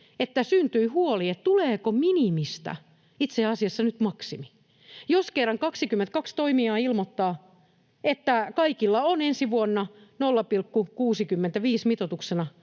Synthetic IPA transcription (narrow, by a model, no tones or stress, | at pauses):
et̪ːæsynt̪yihuoliett̪uleːkominimist̪æ̰ | it̪seɑsiɑsːɑnyt̪mɑksimi̥ | joskerːɑŋkɑksikymːent̪̚kɑkst̪oimiɑːilmot̪ːɑː | et̪ːækɑikilːɑonensiʋuonːɑnolːɑpilkːukuːsikymːent̪æʋiːsmit̪ot̪uksenɑ